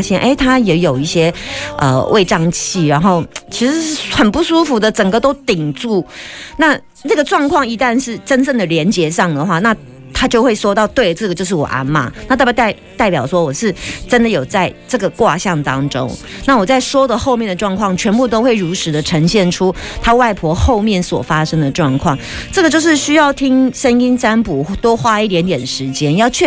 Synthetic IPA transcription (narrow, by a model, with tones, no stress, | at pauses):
ɕjɛ˥˩nʔe˥˩ɪt̪ʰa˥jɛ˨˧˥jo˨˩ʊi˥˩ɕjɛ˥ʔə̰˨wʔḛ˥˧ɪʈ͡ʂɑ˥˧ŋt͡ɕʰi˥˩ɻa˧˥nxo˥˩ʊt͡ɕʰi˧˥ʂɻ̩˧˥xə˨˩npu˥˩ʂu˥fu˧˥d̪ə˨ʈ͡ʂə˨˩ŋɡə˦t̪o˥ʊt̪i˨˩ŋʈ͡ʂu˥˩na˥˧ | na˥˩ɡə˩ʈ͡ʂwɑ˥˧ŋkʰwɑ˥˩ŋi˧˥t̪a˥˧nʂɻ̩˥˩ʈ͡ʂə˥nt͡sə˥˩nd̪ə˩ljɛ˧˥nt͡ɕjɛ˧˥ʂɑ˥˩ŋd̪ə˩xwa˥˧na˥˧ | t̪ʰa˥t͡ɕjo˥˧ʊxwe˥˩ɪʂwɔ˥t̪ɑ˥˧ʊt̪we˥˩ɪʈ͡ʂɤ˥˩ɡə˩t͡ɕjo˥˧ʊʂ̬ɻ̩˥˩wɔ̰˨˩ʔa̰˥nma̰˨n˥˧˥t̪ɪt̪a˥˩ɪpjɑ˨˩ʊʂwɔ˥wɔ˨˩ʂɻ̩˥˩ʈ͡ʂə˥nd̪ə˨jo˨˩ʊt͡sa˥˧ɪʈ͡ʂɤ˥˩ɡə˩kwa˥˧ɕjɑ˥˩ŋt̪ɑ˥ŋʈ͡ʂo̰˥ŋ | na˥˩wɔ˨˩t͡sa˥˩ɪʂwɔ˥d̪ə˨xo˥˧ʊmjɛ˥˩nd̪ə˩ʈ͡ʂwɑ˥˧ŋkʰwɑ˥˩ŋt͡ɕʰɥɛ˧˥npu˥˧t̪o˥ʊxwe˥˩ɪɻu˧˥ʂɻ̩˧˥d̪ə˨ʈ͡ʂʰə˧˥ŋɕjɛ˥˩nʈ͡ʂʰu˥t̪ʰa˥wa˥˩ɪpʰwɔ˧˥xo˥˧ʊmjɛ˥˩nswɔ̰˨˩fa˥ʂɤ˥ŋd̪ə˨ʈ͡ʂwɑ˥˧ŋkʰwɑ̰˥˩ŋ | ʈ͡ʂɤ˥˩ɡə˩t͡ɕjo˥˧ʊʂɻ̩˥˩ɕy˥jɑ˥˩ʊt̪ʰi˥ŋʂə˥ni˥ŋt͡sa˥npu˨˩t̪o˥ʊxwa˥i˥˩t̪̬jɛ˧˥nt̪jɛ˨˩nd̪ə˨ʂɻ̩˧˥t͡ɕjɛ˥njɑ˥˧ʊt͡ɕʰɥɛ˥˩